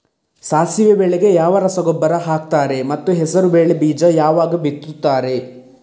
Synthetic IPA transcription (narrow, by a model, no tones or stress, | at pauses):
saːsiʋebeːɭeɡe̞jaːʋɐɾɐsɐɡɔbːɐɾɐɦaːk̚t̪aːɾe̞mɐt̪ːuɦɛsɐɾubeːɭebiːd͡ʒɐjaːʋaːɡɐbit̪ːut̪ːaːɾe̞